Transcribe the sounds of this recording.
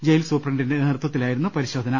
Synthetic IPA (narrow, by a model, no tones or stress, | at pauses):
d͡ʑejilsuːprɐɳɖinde̞nert̪wɐt̪ːilaːjiɾunːupɐɾiɕo̞ːd̪ʱɐnɐ